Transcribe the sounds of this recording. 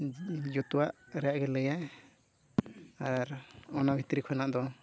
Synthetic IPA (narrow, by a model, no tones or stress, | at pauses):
d͡ʒɔt̪uwaʔɾɛjaʔɡɛləja | aɾɔnabʱit̪ɾikʰɔnaʔd̪ɔ